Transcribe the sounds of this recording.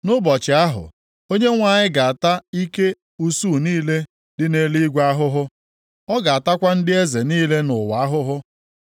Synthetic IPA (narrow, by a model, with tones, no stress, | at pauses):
nʊ˦bɔ˨t͡ʃɪ˨a˦ɦʊ̰˨ | o˦ɲe˦ŋʷa˨ɲɪ˦ɡa˨a˨ta˦i˦ke˦ | u˦su˦˨niː˦le˦ | dɪ˦ne˦li˦ɡʷa˦ɦʊ˦ɦʊ˦ | ɔ˦ɡa˨a˨ta˦kʷa˦n̩˦dɪ˦e˦ze˨niː˦le˦nʊ˨wa˨a˦ɦʊ˦ɦʊ˦